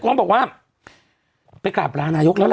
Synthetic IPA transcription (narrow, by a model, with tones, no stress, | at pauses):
kuː˧˥˨nbɔː˨˩k̚waː˧˩ | pa˧jkaː˨˩p̚ɾaː˧naː˧jo˦˥k̚lɛː˦˥l